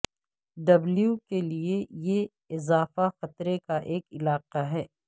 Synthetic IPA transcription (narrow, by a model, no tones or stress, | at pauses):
ɖɐbljukelieje | ɪzaːfaxɐt̪ɾekaʔeːkɪlaːqaɦɛː